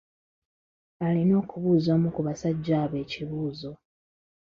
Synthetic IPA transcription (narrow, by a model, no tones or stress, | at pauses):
alino̞ːkuβuːzamukuβasaɟːaːβe̞ːciβuːzo̞